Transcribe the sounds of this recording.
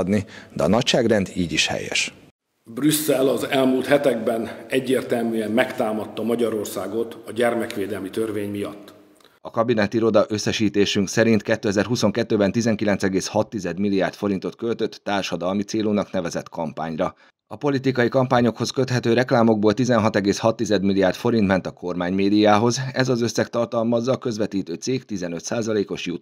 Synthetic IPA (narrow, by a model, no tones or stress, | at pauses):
d̪nid̪ɛɒ̰nɒcʃaːɡrɛnd̪iːɟiʃhɛ̰jɛ̰ʃ | brysːɛlɒzɛlmuːlt̪hɛt̪ɛɡbɛnɛɟːeːrt̪ɛlmyːɛmmɛkt̪aːmɒt̪ːɒmɒɟɒɾo̞rsaːɡo̞t̪ɒɟɛrmɛkʋeːd̪ɛlmit̪ørveːɲmijɒt̪ː | ɒkɒbinɛt̪iɾo̞d̪ɒʔø̞sːɛʃiːt̪eːʃyŋksɛɾint̪kɛt̪ːøːɛzɛrɦuso̞ŋkɛt̪ːøːbɛnt̪izɛŋkilɛnt̪sɛɡeːshɒt̪ːizɛd̪milːijaːrt̪fo̞ɾint̪o̞t̪kølt̪ø̞t̪ːaːrʃɒd̪ɒlmit̪seːlunɒknɛvɛzɛt̪kɒmpa̰ːɲrɒ | ɒpo̞lit̪ikɒjikɒmpaːɲo̞kho̞skø̞t̪hɛt̪øːɾɛklaːmo̞ɡ̚boːlt̪izɛnɦɒt̪ɛɡeːshɒt̪ːizɛd̪milːiaːrt̪fo̞ɾint̪mɛnt̪ɒko̞rmaːɲmeːd̪ijaːɦo̞zɛzɒzø̞sːɛkt̪ɒrt̪ɒlmɒzːɒːkø̞zʋɛt̪iːt̪øːt̪siːkt̪izɛnø̞t̪saːzɒleːko̞ʃjut̪